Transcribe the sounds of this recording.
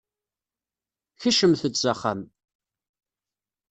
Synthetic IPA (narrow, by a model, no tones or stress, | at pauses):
çəʃəmθət͡sːaχːam